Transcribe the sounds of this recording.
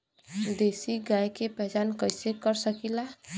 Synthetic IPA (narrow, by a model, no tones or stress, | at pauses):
d̪esiɡajkepɛɦt͡ʃankəsekəɾsəkila